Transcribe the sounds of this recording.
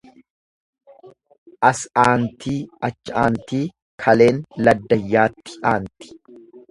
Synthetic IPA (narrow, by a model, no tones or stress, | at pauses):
ʔɐsaːnt̪iːɐt͡ʃːaːnt̪iː | kʰɐle̞ːnlɐd̪ːɐjːaːt̪ːɪ̥ʔaːnt̪ɪ̥